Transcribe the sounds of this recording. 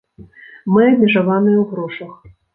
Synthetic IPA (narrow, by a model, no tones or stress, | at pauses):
mɨɐbʲmʲɛʐavanɨjɛwɣɾɔʂɐx